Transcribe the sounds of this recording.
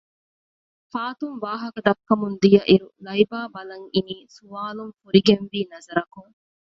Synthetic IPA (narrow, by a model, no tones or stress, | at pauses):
faːt̪uŋʋaːɦɐkɐd̪ɐkːɐmund̪ijɐʔiɾulɐibaːbɐlɐŋiniːsuʋaːluŋfuɾiɡenʋiːnɐzɐɾɐkuŋ